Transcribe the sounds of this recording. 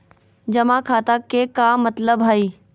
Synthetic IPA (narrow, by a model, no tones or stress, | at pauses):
d͡ʒɐmãkʰaːt̪akekamɐt̪ləbɦaiː